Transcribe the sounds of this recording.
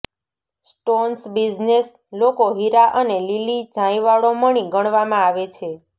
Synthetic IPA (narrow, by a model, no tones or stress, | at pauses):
sʈonsbid͡ʒnes | lokoɦiɾaʔənelilid͡ʒʱãĩʋaɭoməɽ̃iɡəɳ̃ʋamãaʋet͡ʃʰe